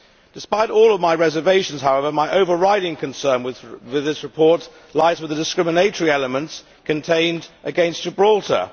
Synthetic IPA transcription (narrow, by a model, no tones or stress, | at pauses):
d̥ɨspaɪɾɔːlˠʌvmaɪɹɛzəveɪʃə̃n̩z̥ɦaʊɛvə˞maɪʔoʊvə˞ɹaɪɾɪ̃ŋkʰɨ̃nsɜ̃˞nwwɪðɪsɹɨpʰɔɹt | laɪzwɨðədɨskɹɪ̃mɨneɪɾəɹiɛləmə̃nts | kʰɨ̃ntʰẽɪ̃ndʔɨɡɛ̃nsəbɹɔlˠtʰə̰